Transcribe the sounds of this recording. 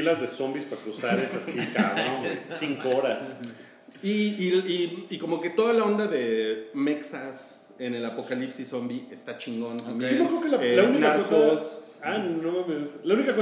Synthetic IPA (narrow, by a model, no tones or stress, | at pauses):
ilazðe̞so̞mbispakɾusaɾesasikaoesiŋkoɾas | iːiːko̞mo̞ke̞t̪o̞ðalao̞nd̪aðe̞me̞ksas | e̞ne̞lapo̞kalipsiso̞mbie̞st̪at͡ʃiŋɡo̞nt̪ambjd͡ʒonokɾeokelaelauninkaaɾoksos | annomameslaunikako